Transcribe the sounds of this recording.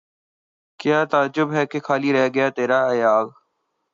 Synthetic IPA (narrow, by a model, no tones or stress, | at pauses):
kjaːt̪aːd͡ʒʊbɦɛːkekʰaːliɾɛɦaɡəjaːt̪eːɾaːɐjaːɣ